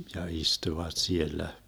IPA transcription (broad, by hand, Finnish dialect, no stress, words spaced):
jɑ istuʋɑt sielːæ